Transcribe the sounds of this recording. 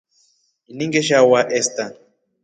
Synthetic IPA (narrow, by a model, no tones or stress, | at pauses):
iniŋɡɛʃ̬awaʔɛstan